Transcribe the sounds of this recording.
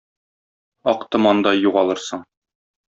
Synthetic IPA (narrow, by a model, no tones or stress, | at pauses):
ɒqt̪ɤmɒnd̪ɑjuʁɑlˠɤɾsɤɴ